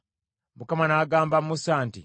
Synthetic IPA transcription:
mukamanaːɡaːmbamːusaːntḭ

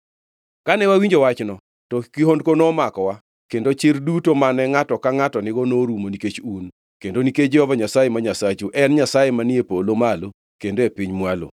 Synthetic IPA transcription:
kanɛwawiɲd͡ʒowat͡ʃnɔ | tɔkɪɦondkonomakɔwa | kendot͡ʃɪrdutomanɛŋatɔkaŋatɔnɪɡɔnoɾumoniket͡ʃun | kendoniked͡ʒɛɔvaɲasajemaɲasat͡ʃuʔɛnɲasajemanɪepolomalo | kendoepɪɲmwalo̰

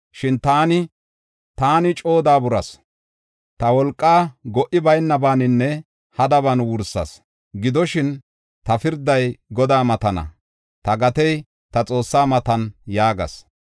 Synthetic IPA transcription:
ʃɪnt̪aːnɪ | t̪aːnɪt͡ʃʼoːd̪aːbʊɾɐs | t̪ɐwɔlkʼːaːɡɔʔɪbɐjnːɐbaːnɪnːɛ | hɐd̪ɐβɐnwʊɾsːɐ̰s | ɡɪd̪ɔʃɪn | t̪ɐfɪɾd̪ɐjɡɔd̪aːmɐt̪ɐnɐ̰ | t̪ɐɡɐt̪ɛj | t̪ɐt͡sʼo̞ːsːaːmɐt̪ɐnjaːɡɐ̰s

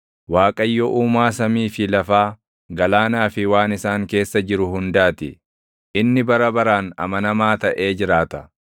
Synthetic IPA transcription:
waːkʼɐjːɔʔuːmaːsɐmiːfɪlɐfaː | ɡɐlaːnaːfɪwaːnɪsaːŋke̞ːsːɐd͡ʒɪɾʊɦʊnd̪aːt̪ɪ | ʔɪnːɪbɐɾɐbɐɾaːnɐ̰mɐnɐmaːt̪ɐʔe̞ːd͡ʒɪɾaːt̪ɐ

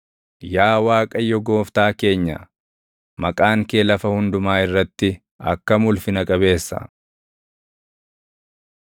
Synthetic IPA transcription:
jaːwaːkʼɐjɔɡo̞ːft̪aːke̞ːɲːɐ̰ | mɐkʼaːŋkeːlɐfɐhʊnd̪ʊmaːɪrːɐt̪ːɪ | ɐ̰kːɐmʊlfɪnɐkʼɐβe̞ːsːɐ̰

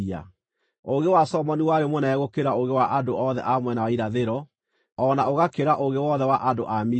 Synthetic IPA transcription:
a̰ | oɣewasɔmɔniwajomwɛnaɛɣokeɾaoɣewaʔadoɔðɛ̰ʔamwɛnawaiɾaðeɾɔ | ɔːnaoɣakeɾaʔoɣewɔðɛwaʔadoʔami

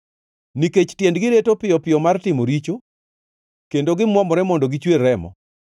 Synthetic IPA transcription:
niket͡ʃtjendɡɪɾetopɪjɔpɪjɔmartɪmoɾit͡ʃo | kendoɡɪmwɔmɔɾɛmɔndoɡit͡ʃwerɾɛmɔ̰

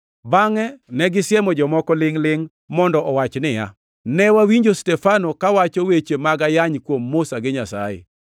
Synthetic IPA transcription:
baŋɛnɛɡɪsjɛmɔd͡ʒɔmɔkɔlɪŋlɪŋ | mɔndɔʔɔwat͡ʃnɪja̰ | nɛwawiɲd͡ʒostɛfanokawat͡ʃowet͡ʃemaɡajaɲkwomːosaɡɪɲasa̰jḛ

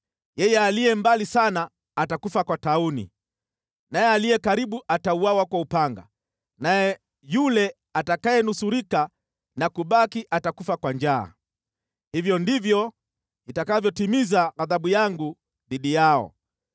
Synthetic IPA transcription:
jɛjɛaliɛmbalisanaː | takufakwataunḭ | najɛalijɛkaɾiɓuʔatauwawakwaupaŋɡa̰ | najɛ | julɛ | atakajɛnusuɾika | nakuɓakiʔatakufakwand͡ʒa̰ː | hivjɔndivjɔ | itakavjɔtimizaɣaðaɓujaŋɡu | ðiɗijaɔ̰

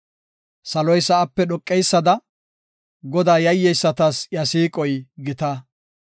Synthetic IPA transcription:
sɐlɔjsɐʔɐpːɛɗɔkʼːɛjsːɐd̪ɐ | ɡɔd̪aːjɐjːɛjsːɐt̪ɐsjɐsiːkʼɔjɡɪt̪ɐ

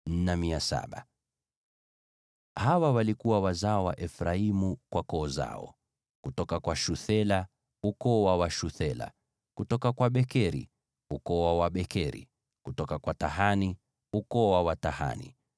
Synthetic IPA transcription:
n̩namiasa̰ɓa | hawawalikuwawazaɔwa̰ʔɛfɾaimukwakɔːza̰ɔ̰ | kutɔkakwaʃuθɛla | ukɔwawaʃuθɛla̰ | kutɔkakwaɓɛkɛɾḭ | ukɔwawaɓɛkɛɾḭ | kutɔkakwataɦani | ukɔwawataha̰nḭ

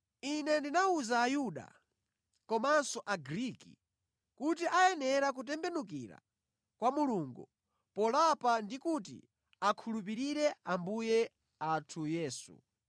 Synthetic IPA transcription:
inɛndinauzaːjuɗa̰ | kɔmansɔʔaɡɾiːkḭ | kut̬iʔajɛnɛɾakut̬ɛmbɛnuk̬iɾa̰ | kwamuluŋɡu | pɔlapandikutḭ | akʰulup̬iɾiɾɛambujɛ | atʰujɛːsṵ

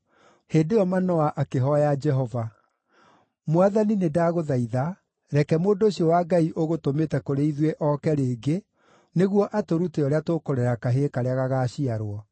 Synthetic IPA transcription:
heːndeɔmanɔaʔakeɦɔjad͡ʒɛɦɔva | mwaðaninedaːɣoðaiða | ɾɛkɛmoːdoɕiɔwaɡaiʔoɣotometɛkoɾeiðweʔɔkɛɾeːɡe | neɣwɔʔatoɾuteɔɾeatokoɾɛɾakaɦeːkaɾeaɣaɣaːɕiaɾwɔ

